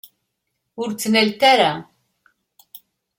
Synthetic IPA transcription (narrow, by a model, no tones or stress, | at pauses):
ʊɾt͡sːnælt̪aɾa